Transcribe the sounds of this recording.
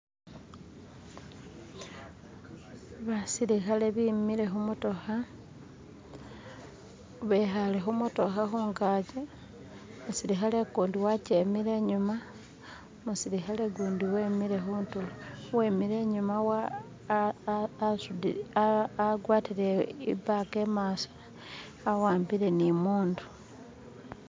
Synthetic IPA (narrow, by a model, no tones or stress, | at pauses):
βasiɾixale̞βimiɾe̞xumuto̞xa | βexalexumuto̞xaxuːŋɡaːɟe | musiɾixalekuːndiwacemiɾe̞ɲuma | musiɾixaleɡuːndiweːmiɾe̞xuːntulowe̞ːmiɾe̞ɲumawa | sud | ɡwaːtileḭbake̞ːmaːsḁː | waːmbiɾe̞nimuːndu̥